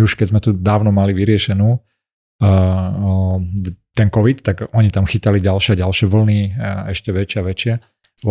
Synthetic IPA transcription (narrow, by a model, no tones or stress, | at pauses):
uʃkɛzmɛt̪ud̪aːʊnɔmaliʋiɾɪɛʃɛnuː | t̪ɛnkɔʋit̪t̪ːaɡɔɲit̪amxiːt̪aliɟalʃɪaɟalʃɪɛʋl̩niɛʃcɛʋɛt͡ʃɪaʋɛt͡ʃɪɛ | l